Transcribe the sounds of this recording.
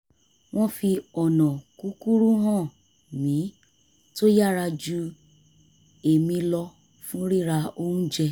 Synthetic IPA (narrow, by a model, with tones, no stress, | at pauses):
w̃ɔ̃˦fi˧ɔ˨nɔ̃˨ku˨˦ku˦ɾu˦ɦã˦˨ | mĩ˨˦ | to˦ja˦˨ɾa˧d͡ʒu˧˦ | e˨mĩ˧lɔ˧ | fũ˦ɾi˦˨ɾa˧o˦hũ˦d͡ʒɛ˧˨